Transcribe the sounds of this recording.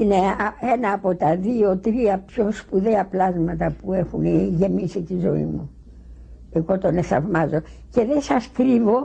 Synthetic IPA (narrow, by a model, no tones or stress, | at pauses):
ine̞ɐe̞nɐːpo̞t̪ɐðio̞t̪ɾiɐpço̞spuðeɐplɐzmɐt̪ɐpue̞xuneʝe̞misit̪izo̞ḭmu | e̞ɣo̞t̪o̞nesθɐ̰vmɐzo̞ce̞ðe̞sɐskɾivo̞